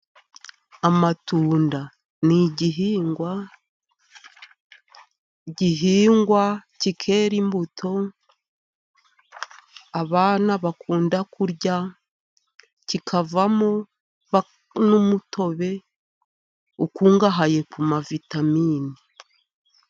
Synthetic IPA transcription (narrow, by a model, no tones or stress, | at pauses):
amatuːnda | niɟiɦiːŋɡwa | ɟiɦiːŋɡwacikʰe̞ːɾimbutʰo̞ | βaːnaβakʰuːndakuɾɟa | cikʰavamo | βa | numutʰo̞βe̞ | ukuːŋɡaɦaje̞kumavitamiːni